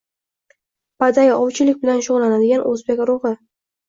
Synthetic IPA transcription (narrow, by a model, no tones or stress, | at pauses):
bad̪ajʔɒwt͡ʃʰɪlɪkʲbɪlanʃʊʁlːanad̪ɪɡʲanʔɵ̰zbekʲɾʊʁɨ